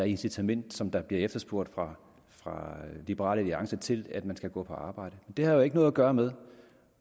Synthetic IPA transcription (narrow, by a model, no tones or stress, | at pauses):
æɐe̝nsit͡sʰæmen̰d̥sɒ̽md̥ɑ̈b̥liɐefd̥ɐsb̥oɐ̰d̥fʁɑ̈ | fʁɑ̈lib̥əʁɑ̰̈ːləliɑ̈ŋsɐt͡sʰe̝læd̥mænsɡ̥æɡ̥ɔ̰̽ːpʰɒ̽ɑ̈ːb̥ɑ̈ɪ̰d̥əmend̥e̝hɑ̈joe̝ɡ̥ənɔð̩ˠæɡ̥ɶːɐmeð̞ˠ